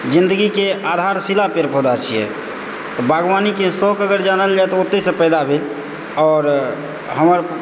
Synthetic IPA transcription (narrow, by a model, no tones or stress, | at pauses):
d͡ʒind̪əɡikead̪ʱaɾsilapeɾpod̪at͡ʃʰijɛ̰ | t̪ɔbʱaɡʋanikesɔkəɡəɾd͡ʒanəld͡ʒat̪ɔot̪ːesə̃pəjd̪abʱel | ɔːɾ | ɦəməɾ